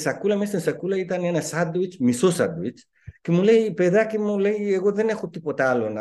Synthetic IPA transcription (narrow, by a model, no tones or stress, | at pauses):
sɐkːulɐmest̪insɐkulɐit̪ɐnenɐsad̪uit͡ʃmisosɐ̰d̪uit͡ʃ | cemule̞jpe̞ðacimule̞jeɣo̞ðe̞ne̞xot̪ipo̞t̪ɐalonɐ